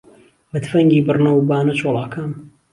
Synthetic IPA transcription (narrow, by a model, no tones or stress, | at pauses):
bɨt̪fɐŋɡiːbɨrnɐwbaːnɐt͡ʃʰoːlˠɑːkʰaːm